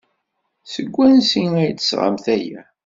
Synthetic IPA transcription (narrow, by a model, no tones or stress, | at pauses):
səɡʷːænsiæjt̪ːə̥sʁa̰mθæjæ